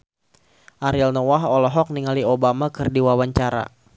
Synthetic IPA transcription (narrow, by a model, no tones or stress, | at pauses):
ʔaɾilnɔwaɦɔlɔɦɔk̚niŋaliobamakɨrdiwawaɲt͡ʃaɾa̰